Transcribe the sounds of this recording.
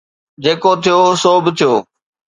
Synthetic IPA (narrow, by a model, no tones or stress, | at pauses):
d͡ʑeːkot̪ʰijosoːbt̪ʰijoː